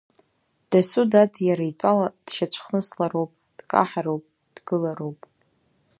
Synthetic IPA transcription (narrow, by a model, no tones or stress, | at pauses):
d̥asudadʰʼjaɾaitʷʼalad̥ʃat͡ʃʷʰχnɨslarowpʼ | d̥kʼa̰ħaɾowpʼ | d̥ɡɨlarowpʼ